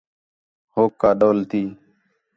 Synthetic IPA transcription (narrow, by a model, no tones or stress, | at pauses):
hoːkːaːɗoːlt̪ʰiː